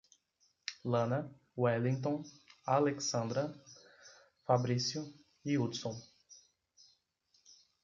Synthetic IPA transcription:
lɐ̃nɐ | wɛlĩŋt̪õaleksɐ̃nd̪ɾɐ | fabɾisjʊ | iud̪sõw̃

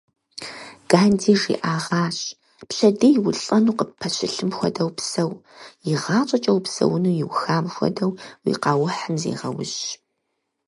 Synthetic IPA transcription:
ɡ̥aːndiːʒḭʔaːʁɑːɕʼ | pɬɐdijwʊɬʼɐnuːqəpʰːɐɕɪɬɨmxʷɔdɐwpsɐwjɪʁɑːt͡ʃʼɐt͡ʃʼɐwpsɐ̰wʊnuːjɪwxaːmxʷɔ̰dɐwwḭqɑːwħəmzḛːʁɐ̰wʊ̰ɕ

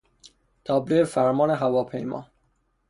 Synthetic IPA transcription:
t̪ʰɒːbleefæɾmɒːneɦævɒːpʰḛjmɒ̰ː

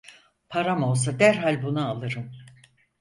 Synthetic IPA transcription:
pʰaɾamo̞lˠs̬ad̪æɾɦalʲbunaalˠɯɾɯn

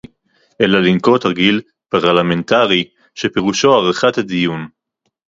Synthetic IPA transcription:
ʔelalinko̞t̪aɡil | paʁlamentaʁi | ʃepeʁuʃoaʁaχat̪ad̪ijun

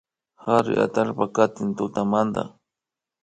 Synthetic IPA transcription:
haɾɪ̰ʔa̰t̪alpakat̪ɪnt̪ʊt̪amand̪a̰

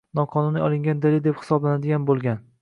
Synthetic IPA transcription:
nɒqʰɒnuniɒlˠɪŋɡʲand̪alɪd̪ephɪ̥sɒblanad̪ɪɡʲanbolˠɡʲan

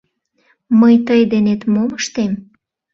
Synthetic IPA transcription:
məjt̪əjd̪enet̪moməʃt̪em

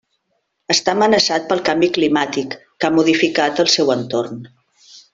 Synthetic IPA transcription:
əst̪amənəsat̪̚pəlˠkambiklimat̪ikːamuðifikat̪əlˠsɛwənt̪orn

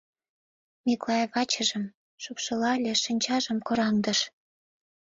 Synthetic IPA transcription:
miklɑjvɑt͡ɕəʒə̆m | ʃupʃɤ̆lɑlʲeʃinʲt͡ɕɑʒə̆mkoɾɑŋd̪əʃ

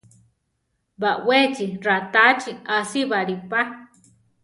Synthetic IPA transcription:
bawet͡ʃirat̪at͡ʃiasiβaɾipa

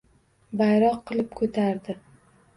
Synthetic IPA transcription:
bajɾɒqʰːɨlˠɪp̚kʰɵt̪ʰaɾd̪ɪ

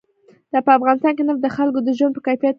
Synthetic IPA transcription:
d̪̥ɑpəafɣɑnɪst̪ɑnkenəfd̪əxalkod̪əʒwanpəkajfijat̪

